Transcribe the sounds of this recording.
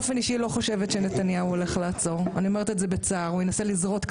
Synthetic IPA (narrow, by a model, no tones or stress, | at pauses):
feniʃilo̞χo̞ʃevetʃenet̪anjauole̞χlaːt͡so̞ʁaniomeʁet̪etzebet͡saːʁujenaselizʁo̞t̪k